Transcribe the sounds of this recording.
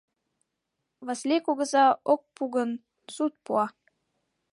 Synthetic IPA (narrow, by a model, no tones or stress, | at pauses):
βɑslʲekuɣə̆zɑok̚puɣən | sut̪̚puɑ